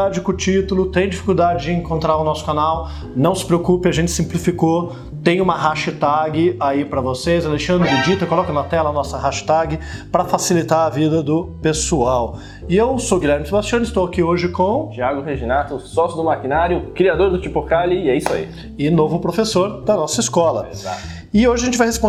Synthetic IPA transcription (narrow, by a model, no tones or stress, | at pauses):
ad͡ʒɪkʊt͡ʃit̪ʊlʊt̪ẽj̃d͡ʒifi̥kuwd̪ad͡ʒɪd͡ʒɪẽŋkõnt̪ɾaɾʊnɔsʊ̥kanaw | nɐ̃w̃sɪ̥pɾeokupɪɐʒẽnt͡ʃɪ̥sĩplifiko | t̪ẽj̃ũmɐɦaʃɐt̪aɡɪaipɾɐvosezaleʃɐ̃nd̪ɾɪid͡ʒit̪ɐkolɔkɐnɐt̪ɛlɐnɔsɐhaʃɐ̥t̪aɡɪpɾɐfasilit̪aɾɐvid̪ɐd̪ʊpesuaw | ɪewsowɡilʎɛɾmɪsebast͡ʃiɐ̃nʊɪst̪owakioʒɪkõt͡ʃiaɡʊheʒinat̪ʊsɔsjʊd̪ʊmakinaɾjʊkɾiad̪oɾd̪ʊt͡ʃipokaliɛisʊa̰ḭ | ɪnovʊpɾofesoɾd̪ɐnɔsɐɪskɔlɐ̰a̰ | ɪoʒɪɐʒẽt͡ʃɪvajhespõ